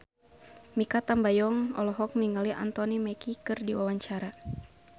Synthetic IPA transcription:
mikat̪ambajɔŋɔ̰lɔɦɔk̚niŋaliʔa̰nt̪ɔnimɛkikɨrdiwawaɲt͡ʃaɾa

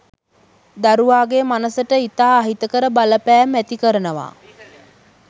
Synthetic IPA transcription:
d̪aɾuʋaːɡemanəsəʈəit̪aːɦit̪əkəɾəbaləpæːmːæt̪ikəɾənəʋa̰ː

